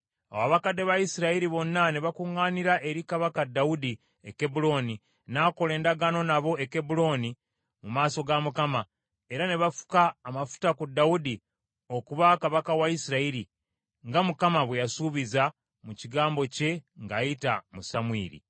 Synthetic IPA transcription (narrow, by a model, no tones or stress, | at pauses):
a̰waβakadːe̞βaisiɾaiɾiβo̞nːane̞βakuŋɡaːniɾaʔe̞ɾikaβakadaudi | ekebulo̞ni | naːko̞le̞ːndaɡano̞naβo̞e̞kebulo̞ni | mumaːso̞ɡamukama | e̞ɾane̞βafu̥kaːmafu̥takudːaudi | o̞kuβakaβakawaisiɾaiɾi | ŋɡamukamaβwejasuːβiza | muciɡaːmbo̞ce̞ŋɡajitamusamwḭːɾḭ